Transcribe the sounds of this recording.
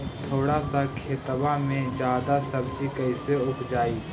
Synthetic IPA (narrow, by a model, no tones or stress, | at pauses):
t̪ʰoːɽasakʰeːt̪əbamẽd͡ʒjaːd̪asɐb̚d͡ʒikɐɪseʊpd͡ʒaːiː